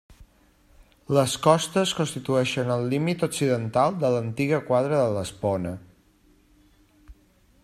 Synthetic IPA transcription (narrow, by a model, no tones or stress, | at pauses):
ləskɔst̪əskonst̪it̪uɛʃənəlˠːimit̪oksiðənt̪alˠd̪ələnt̪iɣəkwaðɾəðələspɔnə